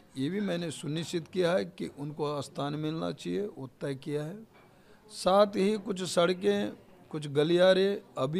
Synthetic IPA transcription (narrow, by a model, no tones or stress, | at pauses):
jeːbʱimɛ̃ːnesʊnɪʃt͡ʃɪt̪kijaɦɛkḭʔʊnkoast̪ʰaːnmɪlna̰t͡ʃaːɦieot̪ːɛkijaɦɛː | saːt̪ʰɦikʊt͡ʃʰsɐɽk̬ẽ | kʊt͡ʃʰɡɐlijaːɾẽɐbʱi